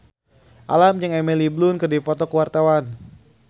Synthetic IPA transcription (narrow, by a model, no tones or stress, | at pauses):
ʔalamd͡ʒɨŋɛmeliblunkɨrdipɔt̪ɔkəwart̪awan